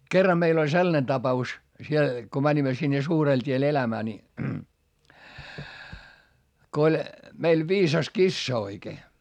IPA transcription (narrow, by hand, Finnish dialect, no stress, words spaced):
kerːɑ meil olʲ selːɑne tɑpɑus siel ko mænʲimæ sinːe suːrel tʲiel elæmæː ni ko olʲ meil ʋiːsɑs kisːɑ oikeː